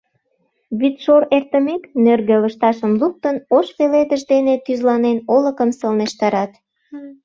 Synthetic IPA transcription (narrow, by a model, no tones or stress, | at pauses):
βit̪ʃoɾert̪əmeknørɣĕləʃt̪ɑʃəmluk̚t̪ənoʃpeled̪əʒd̪enet̪yzlɑnenoləkəmsəlneʃt̪ɑɾɑt̪